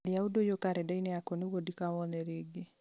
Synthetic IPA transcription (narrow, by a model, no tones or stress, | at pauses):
lɪaudojokaɾɛdɛinɛakɔniwodikawɔnɛɾɪɡɪ